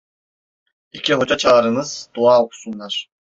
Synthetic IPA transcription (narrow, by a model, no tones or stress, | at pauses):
icʰʲiɦo̞d͡ʒat͡ʃʰaɾɯnɯz̥d̪̥uaːoku̥sunlˠɑɾ̥